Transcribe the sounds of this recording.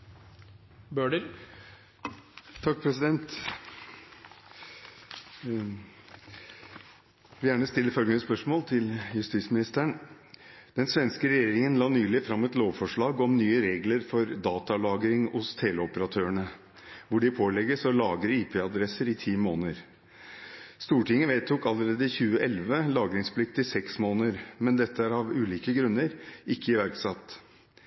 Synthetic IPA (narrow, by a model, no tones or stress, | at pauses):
bøːɖəɾ | t̪ʰɑk̚ːpʰɾɛsɪd̪ɛnt̪ | ʋɪljæːɳəst̪ɪlːəfœlɡəmɪəspœʂmoːlt̪ʰɪljʉst̪iːt̪smɪnɪst̪æɳ | d̪̥ɛnsʋɛnskəɾɛjeːɾɪŋənlɑːnyːlɪfɾɑmːɛt̪loːʋfɔʂɭɑːɡɔmnyːəɾeːɡləɾfɔɾd̪ɑːt̪ɑlɑːɡɾɪŋʊst̪ʰeːləɔpəɾɑt̪ʰøːəɳə | ʋʊɖɪpʰoːlɛɡːəsɔlɑːɡɾəiːpʰeːɑd̪ɾɛsəɾɪt̪ʰiːmoːnəɾ | st̪uːʈʰɪŋːəʋeːt̪ʰuːkɑləɾeːd̪əçʉːəʔɛlʋəlɑːɡɾɪŋspʰlɪkt̪ɪsɛksmoːnəɾmɛnd̪ɛt̪ːəæɾɑʋʉːliːkəɡɾʉnːəɾɪkːəɪʋæɾksɑt̪ː